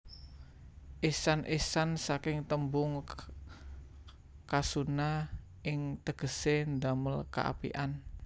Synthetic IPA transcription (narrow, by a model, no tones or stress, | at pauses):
ʔisanʔisansakɪŋt̪əmbʊŋ | kasuna | ʔɪŋt̪əɡ̥ə̤send̪aməlka̰ʔa̰pḭʔan